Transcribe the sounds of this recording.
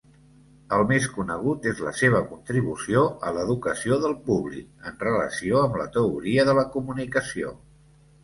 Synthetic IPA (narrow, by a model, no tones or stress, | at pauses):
əlˠmeskunəɣ̞ut̪ezlə̰seβ̞əkunt̪ɾiβ̞usioələðukəsioðəlˠpuβlḭkənrələ̰sioəmlə̰t̪əuɾiəðələkumunikəsio̰